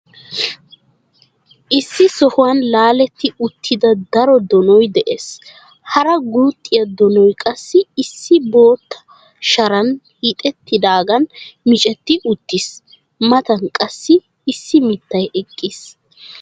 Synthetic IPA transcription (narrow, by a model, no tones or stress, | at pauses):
ʔɪsːɪsɔhʊwɐnlaːlɛt̪ːɪʊt̪ʰːɪd̪ɐd̪ɐɾɔd̪ɔnɔjd̪ɛʔeːs | hɐɾɐɡuːt̪ʼːɪjɐd̪ɔnɔjkʼɐsːɪɪsːɪbo̞ːt̪ːɐ̥ | ʃɐɾɐnhiːt̪ʼɛt̪ːɪd̪aːɡɐnmɪt͡ʃʼɛt̪ːɪʔʊt̪ːɪs | mɐt̪ɐnkʼɐsːɪː | sːɪmɪt̪ːɐjɛkʼːis